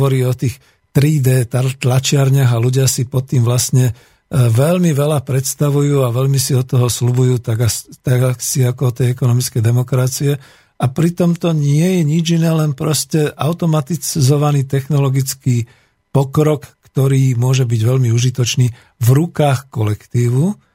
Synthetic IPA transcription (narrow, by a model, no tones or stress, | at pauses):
ʋɔɾiːɔt̪iːx | t̪ɾiːd̪ɛːt̪at̪lat͡ʃɪaɾɲaɣaluɟɪasipɔt̪ːiːmʋlasɲɛ | ʋɛlmiʋɛlapɾɛt̪st̪aʋujuːaʋɛʎmisiɔt̪ɔɦɔslubujuːt̪aɡat̪aɡaksiakɔɔt̪ɛjɛkɔnɔmit͡skɛjd̪ɛmɔkɾat͡siɛ | apɾit̪ɔmt̪ɔɲɪɛjɛɲid͡ʒinɛːlɛnpɾɔscɛʔa̰ʊt̪ɔmat̪izɔʋaniːt̪ɛxnɔlɔɡit͡skiː | pɔkɾɔkːt̪ɔɾiːmʊɔʒɛbiɟʋɛʎmiuʒit̪ɔt͡ʃniː | vɾukaːxkɔlɛkt̪iːʋu